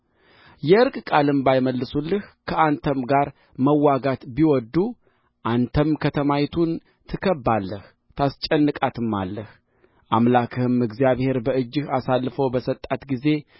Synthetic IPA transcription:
jɛʔɨɾkʼkʼalɨmbajməlːɨsulːɨhkʰəʔant̪ʰəmɡaɾ | məwːaɡat̪biwɔd̪ːu | ʔant̪ʰəmkʰət̪ʰəmajt̪ʰun | t̪ʰɨkʰəbːalːəh | t̪ʰast͡ʃʼɛnːɨkʼat̪ʰɨmːa̰lːəh | ʔamlakʰɨhɨmɨɡzijaβhe̞ɾbəɨd͡ʒːɨhasalːfəwbəsət̪ʼːat̪ɡize̞

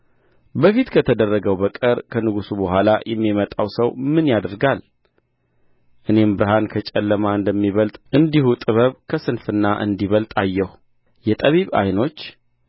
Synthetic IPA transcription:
bəfit̪kʰət̪ʰəd̪ərːəɡəwbəkʼəɾkʰənɨɡusubəhʷalajʔɛmːimət̪ʼawsəwmɨnjad̪ɾɡal | ʔɨne̞mbɨɾɨɦankʰət͡ʃʼɛlːəmaɨnd̪əmːiβəlt̪ʼʔɨnd̪ihut̪ʼɨβəβkʰəsɨnfɨnːaʔɨ̰nd̪iβəlt̪ʼajːɛhu | jɛt̪ʼəβiβa̰jno̞t͡ʃː

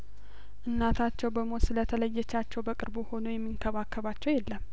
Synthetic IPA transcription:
ʔɨnːat̪ʰat͡ʃːɛwbəmosɨlət̪ʰələjːɛt͡ʃːat͡ʃːɛwbəkʼɨɾbuho̞nojɛmːiŋkʰəβakːəβat͡ʃːɛwjɛlːəmː

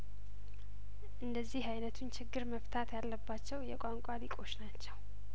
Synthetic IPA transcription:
ʔɨnd̪əzːihajnət̪ʰunt͡ʃʰɪɡːɨɾməft̪ʰat̪jalːəbːat͡ʃːɛwjɛkʷʼaŋkʷʼalikʼo̞t͡ʃːnat͡ʃːɛw

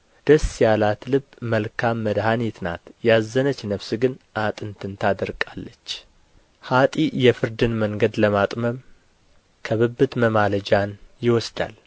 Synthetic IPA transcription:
d̪̥əsːjalat̪lɨbməlkʰamːəd̪hanet̪na̰t̪jazːənət͡ʃːnəβsɨɡɨnʔat̪ʼɨnt̪ʰɨnt̪ʰad̪əɾkʼalːət͡ʃː | hat̪ʼijɛfɨɾd̪ɨnməŋɡəd̪ləmat̪ʼməm | kʰəβɨbːɨt̪məmaləd͡ʒanjɪwɔsd̪a̰l

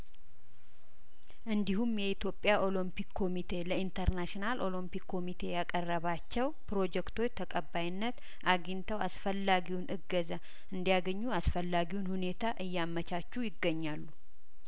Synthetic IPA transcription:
ʔɨnd̪ihumjɛit̪ʰjo̞pʼjaʔo̞limpikkʰːo̞mit̪ʰe̞ləint̪ʰəɾnaʃinalʔo̞limpikʰːo̞mit̪ʰe̞jakʼərːəβat͡ʃːɛwpɾo̞d͡ʒɛkt̪ʰo̞t͡ʃːt̪ʰəkʼəbːajɪnːət̪ | ʔaɡint̪ʰəwasfəlːaɡiwnʔɨɡːəza | ɨnd̪ijaɡəɲːuasfəlːaɡiwunhune̞t̪ʰaʔɨjːamːət͡ʃat͡ʃːujɪɡːəɲːalːu

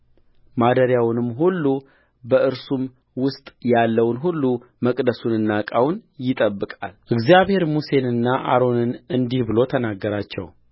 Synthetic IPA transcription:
mad̪əɾjawnɨmːɦulːu | bəʔɨɾsum | wʊst̪ʼjalːəwnɦulːu | məkʼd̪əsunɨnːakʼawnjɪt̪ʼəbːɨkʼalʔɨɡzijaβhe̞ɾmuse̞nɨnːaʔa̰ɾo̞nɨnɨnd̪ihbɨlo̞t̪ʰənaɡːəɾat͡ʃːɛ̰w

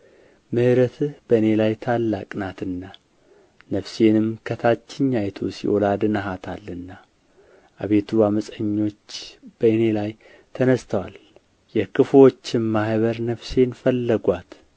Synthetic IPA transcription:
mɨhɨɾət̪ʰɨb̥əɨne̞lajt̪ʰalːakʼnat̪ɨnːa | nəfse̞nɨmkʰət̪ʰat͡ʃːɪɲːajt̪ʰosḭʔolad̪ɨnaɦat̪ʰalːɨnːa | ʔa̰βe̞t̪ʰuaməsʼəɲːo̞t͡ʃːb̥əɨnelaj | t̪ʰənəst̪ʰəwal | jɛkɨfwot͡ʃːɪmmahβəɾnəfse̞nfəlːəɡʷat̪

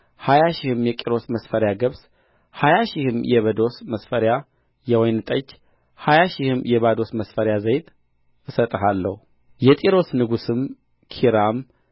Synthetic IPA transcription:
hajaʃɪhɨmjɛkʼiɾo̞sməsfəɾjaɡəβs | hajaʃɪhɨmjɛβəd̪o̞sməsfəɾja | jɛwɔjnɨt̪ʼət͡ʃː | hajaʃɪhɨmjɛβad̪o̞sməsfəɾjazəjt̪ʼ | ʔɨsət̪ʼəɦalːə̰hu | jɛt̪ʼiɾo̞snɨɡusɨm | kʰiɾam

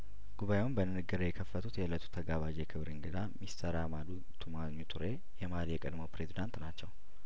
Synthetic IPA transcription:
ɡ̥uβajewunbənɨnɨɡɨɾəjɛkʰəfːət̪ʰut̪jɛlət̪ʰu̥t̪ʰəɡaβad͡ʒjɛkʰɨβɾɨŋɡɨd̪amist̪ʰəɾamad̪u | t̪ʰumaɲːut̪ʰuɾe | jɛmalijɛkʼəd̪məwpɾe̞zid̪ant̪nat͡ʃːɛw

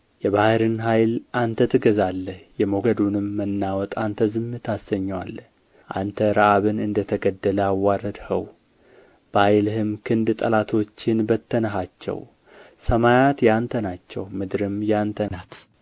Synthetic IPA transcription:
jɛβahɨɾɨnɦajlʔant̪ʰət̪ʰɨɡəzalːəhjɛmoɡəd̪unɨmːənːawɔt̪ʼant̪ʰəzɨmːɨt̪ʰasəɲːwalːə | ʔa̰nt̪ʰəɾaʔaβɨnɨnd̪ət̪ʰəɡəd̪ːələawːaɾəd̪hə̰w | b̥əhajlhɨmkʰɨnd̪t̪ʼəlat̪ʰo̞t͡ʃːɪnbət̪ʰːənəɦat͡ʃːɛ̰w | səmajat̪jant̪ʰənat͡ʃːɛ̰wmɨd̪ɾɨmjant̪ʰənat̪

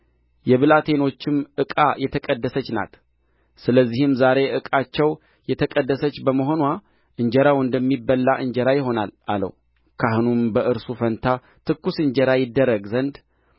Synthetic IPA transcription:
jɛβɨlat̪ʰe̞no̞t͡ʃːɪmʔɨkʼajɛt̪ʰəkʼəd̪ːəsət͡ʃːna̰t̪ | sɨləzːihɨmzaɾe̞ʔɨkʼat͡ʃːɛw | jɛt̪ʰəkʼəd̪ːəsət͡ʃːbəməɦo̞nwa | ʔɨɲd͡ʒɛɾawɨnd̪əmːibəlːaʔɨɲd͡ʒɛɾajɪɦo̞nalalə̰w | kʰahɨnumbəʔɨɾsufənt̪ʰa | t̪ʰɨkːusɨɲd͡ʒɛɾajɪd̪ːəɾːəɡzənd̪

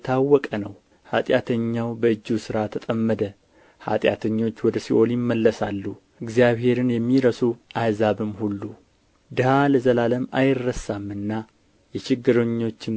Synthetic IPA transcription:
t̪ʰawːɔkʼənəw | hat̪ʼjat̪ʰəɲːawbəɨd͡ʒːusɨɾat̪ʰət̪ʼəmːəd̪ə | ha̰t̪ʼja̰t̪ʰəɲːo̞t͡ʃːwɔd̪əsiʔo̞ljɪmːəlːəsalːu | ɨɡzijaβhe̞ɾɨnjɛmːiɾəsuʔajzaβɨmhulːu | d̪ɨhaləzəlaləma̰jɪrːəsamːɨnːa | jɛt͡ʃɪɡːɨɾəɲːo̞t͡ʃːɪm

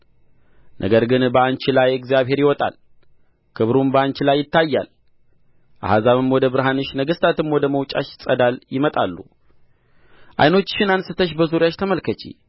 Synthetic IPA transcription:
nʔə̰ɡəɾɡɨnbəant͡ʃɪlajɛkzijaβɦe̞ɾjɪwɔt̪ʼa̰l | kʰɨβɾumbəant͡ʃɪlajːɪt̪ːajːa̰l | ʔa̰hazaβɨmwɔd̪əbɨɾɦanɨʃnəɡɨst̪ʰat̪ɨmwɔd̪əməwt͡ʃʼa̰ʃsʼəd̪aljɪmət̪ʼalːṵ | ʔa̰jno̞t͡ʃːʃɪnansɨt̪ʰəʃ̬bəzuɾjaʃt̪ʰəməlkʰət͡ʃḭ

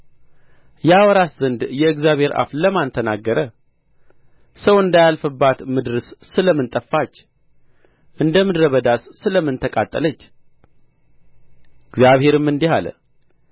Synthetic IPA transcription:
jɛawɔɾaszɨnd̪jɛɨɡzjaβhe̞ɾʔa̰fləmant̪ʰənaɡːəɾə | səwɨnd̪ajalfɨbːat̪mɨd̪ɾɨssɨləmɨnt̪ʼəfːat͡ʃː | ʔɨnd̪əmɨd̪ɾəβəd̪assɨləmːɨnt̪ʰəkʼat̪ʼːə̰lət͡ʃː | ɨɡzjaβhe̞ɾɨmːɨnd̪iha̰l̰

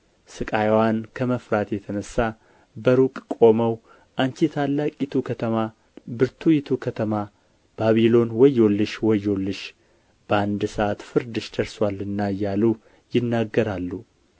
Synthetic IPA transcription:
sɨkʼajwankʰəməfɾat̪jɛt̪ʰənəsːa | bəɾukʼkʼo̞məw | ʔaɲt͡ʃit̪ʰalːakʼɪt̪ʰukʰət̪ʰəma | bɨɾt̪ʰujɪt̪ʰukʰət̪ʰəma | b̥aβilo̞nwɔjːolːɨʃwɔjːo̞lːɨʃ | b̥əand̪ɨsəʔat̪fɨɾd̪ɨʃd̪̥əɾswalɨnːajːalu | jɪnːaɡːəɾalːu

